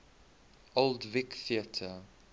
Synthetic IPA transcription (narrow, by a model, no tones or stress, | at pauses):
ʔoldvɪkθiətʰə